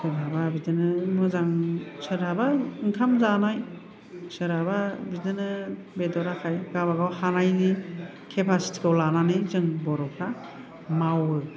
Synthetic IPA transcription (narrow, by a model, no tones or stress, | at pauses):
sɯɾababidɯnɯmɯzaŋsɯɾabaŋkʰamzanaj | sɯɾababidɯnɯ | bedɔɾakʰajɡaβaɡawhanajni | kʰepʰasi̥tʰi̥kawlananɯjzɯŋbɔɾɔpʰa | mawɯ